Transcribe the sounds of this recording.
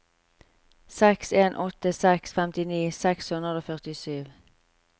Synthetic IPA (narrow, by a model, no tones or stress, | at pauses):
sɛkseːnʔɔt̪əsɛksfɛmt̪ɪniːsɛkshʉnʁəd̪oːfœʁt̪ɪsyːʋ